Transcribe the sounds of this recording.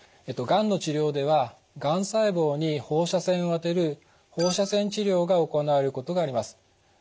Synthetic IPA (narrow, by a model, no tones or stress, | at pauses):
et̪ːo̞ɡãnːo̞t͡ɕiɾʲjo̞ːd̪e̞β̞a | ɡãɰ̃saibo̞ːɲ̟iho̞ːɕasẽ̞ɰ̃oβat̪e̞ɾɯ̟ | ho̞ːɕasẽ̞ɲt͡ɕiɾʲo̞ːɡaoko̞naβeɾɯ̟ko̞t̪o̞ɡaːɾʲimasɨ̥